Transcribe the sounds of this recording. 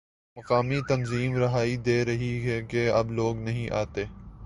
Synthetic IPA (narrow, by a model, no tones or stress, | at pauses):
mɐqaːmit̪ɐnziːmɾɐɦaːid̪eːɾɐɦiɦɛkeɐbloːɡnɐɦĩʔa̰ːt̪eː